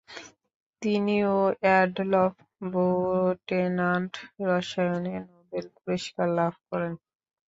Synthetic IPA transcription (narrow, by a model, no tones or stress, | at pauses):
t̪inioɛɖlɔf | boɾoʈenaɳʈɾɔʃajonenobelpuɾiʃkaɾlabʱkɔɾen